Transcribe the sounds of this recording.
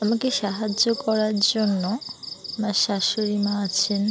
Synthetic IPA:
amakeʃaɦad͡ʑːokɔɾaɾd͡ʑonːoamaʃaʃoɾimaat͡ɕʰen

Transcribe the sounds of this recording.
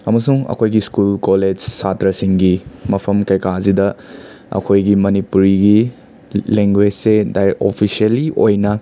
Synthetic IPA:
ɐmɐsuŋɐ̰kʰojɡiskulkoled͡ʒsatɾɐsiŋɡimɐpʰɐmkɐjkazidɐ | ɐ̰kʰojɡimɐnipuɾiɡi | leŋɡwed͡ʒsedajɾekopʰisiɐliʔojnɐ

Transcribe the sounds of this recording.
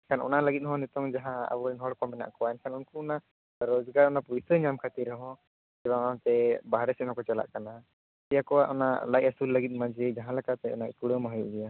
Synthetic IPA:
ɛnkʰanɔ̰naʔləɡit̪̚hɔ̃nɛt̪ɔŋd͡ʒaɦãa̰bɔɾɛnɦɔɽkɔmɛna̰ʔkɔaɛnkʰanunkuɔna | ɾɔd͡ʒɡaɾɔnapɔit̪əɲamkʰat̪iɾɛɦɔ̃ | d͡ʒɛbaat̪ɛbaɦaɾɛsɛnɔkɔt͡ʃɛla̰ʔkana | t̪ɛjakɔwaʔɔna̰ʔlajasulːəɡit̪̚ˀmad͡ʒɛd͡ʒaɦãlɛkat̪ɛɔ̰naʔpuɽəmaɦɔjuʔd͡ʒɛja

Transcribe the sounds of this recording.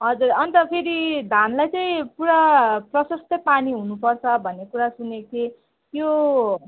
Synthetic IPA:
ɦʌd͡zurʌnt̪ʌpʰeɾid̪ʱanlajt͡sʌĩpuɾaprʌsʌst̪ʌpaniɦunupʌrt͡sʰʌbʱʌnːekuɾasuneke | t̪jo

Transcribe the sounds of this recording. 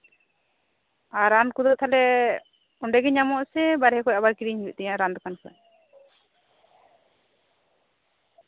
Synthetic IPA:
aɾankud̪ɔt̪ʰalɛ | ɔɳɖɛɡɛɲamɔʔsɛbaɾɦɛkɔcabaɾkiɾiɲuʔt̪ɛjaɾand̪ɔkankɔ̰j

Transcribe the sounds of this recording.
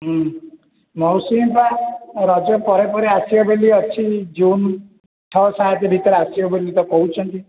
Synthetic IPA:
ɦ | mɔwsimpaɾɔd͡ʒɔpɔɾepɔɾeasiɔbeliɔt͡ʃʰid͡ʒun | ʈʰɔsaɦat̪ebʱit̪ɔɾeasiɔbelit̪ɔkɔɦut͡ʃʰɔnt̪i

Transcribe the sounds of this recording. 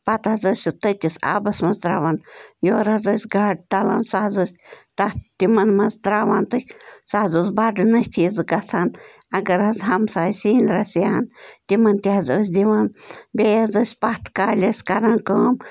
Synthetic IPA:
pɐt̪ɦɐzəsʲut̪ət̪ʲisa̰ːbɐsmɐzd̪ɾaːʋanjoːɾɐzɐsʲɡaːɖ̚t̪ɐla̰nsaɦzəsʲt̪ɐt̪imɐnmɐzd̪ɾaːʋant̪ɨsahzuzbaɖɨnɐpʰizɨɡɐt͡sʰan | ɐɡɐɾɦɐzɦɐmsaːsiːnɾɐsjant̪imɐnt̪iɦɐzəsʲd̪iʋanbʲeːjɐzəsʲpat̪kaːlʲɐsʲkɐɾankəːm

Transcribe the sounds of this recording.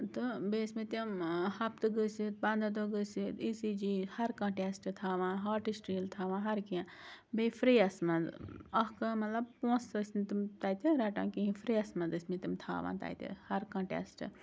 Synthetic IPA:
t̪ɨbeːsmẽt̪imhɐp̚t̪ɨɡəsit̪̚bɐ̃nd̪ad̪oɡəsit̪isid͡ʒiːhɐɾkɐ̃ːʈesʈt̪ʰaːʋãːɦaːʈisʈɾiːlt̪ʰaːʋãːɦɐɾkiãː | befɾiːɐsmɐnd̪ɐɦkamɐt̪lɐb̚põːsɐsʲnt̪imt̪aːt̪iɾɐʈã̰ːkĩɦĩfʰɾiːɐsmɐnd̪ɨsʲmẽt̪imt̪ʰa̰ːʋã̰ːnt̪a̰ːjt̪ḭhɐɾkãːʈḛsʈɨ

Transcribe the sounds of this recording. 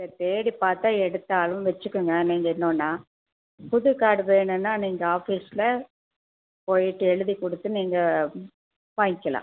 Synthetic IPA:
ɐt̪eːɽipaːɾt̪aːɛɽɯt̪ːaːlɯmʋɛt͡ʃːɯkːɯŋɡɐniːŋɡɐɪnːoːnːaː | pʊðɯkaːɽɯʋeːɳɯnːaːniːŋɡɐaːfiːsɪlɐ | poːjɪʈːɯɛɻɯðikɔɽɯt̪ːɯniːŋɡɐ | paːɪkːɐlã̰ː

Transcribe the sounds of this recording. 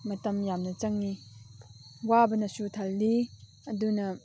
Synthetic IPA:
mɐtɐmjamnɐt͡ʃɐŋːi | wabɐnɐsutʰɐlːi | ɐdunɐ

